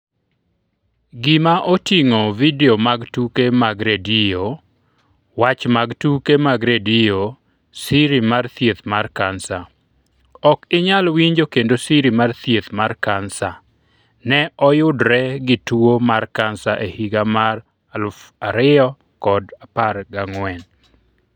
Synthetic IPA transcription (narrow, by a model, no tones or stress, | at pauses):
ɡɪmaʔotiŋovideomaɡtukemaɡɾedio | wat͡ʃmaɡtukemaɡɾedijo | siɾimart̪jet̪markansa | ɔkɪɲalwiɲd͡ʒokendosiɾimart̪jet̪markansa | nɛʔɔjʊdɾɛɡɪtuomarkansaʔehiɡamar | alfaɾɪɔ | kɔdaparɡaŋwɛn